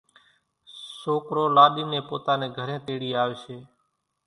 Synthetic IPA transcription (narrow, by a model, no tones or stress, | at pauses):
soːkɾoːlaːɗiːneːpoːt̪aːnẽːɡʱəɾẽːt̪eːɽiːaːʋeːseː